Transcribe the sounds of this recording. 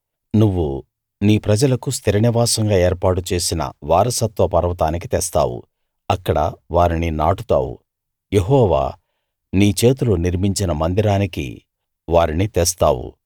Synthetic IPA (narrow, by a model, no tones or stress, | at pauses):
nuʋːu | niːpɾɐd͡ʒɐlɐkust̪iɾɐniʋaːsɐŋɡaːeːɾpaːʈut͡ʃe̞ːsinɐ̰ʋaːɾɐsɐt̪ʋɐpɐɾɐʋɐt̪aːnikit̪ɛst̪a̰ːwṵ | ɐkːɐɽɐ̰ʋaːɾininaːʈut̪a̰ːwṵ | jeɦɔːʋa̰ː | niːt͡ʃe̞ːt̪̬uluniɾmiɲt͡ʃinɐmɐnd̪iɾaːnikḭ | ʋaːɾinit̪est̪a̰ːwṵ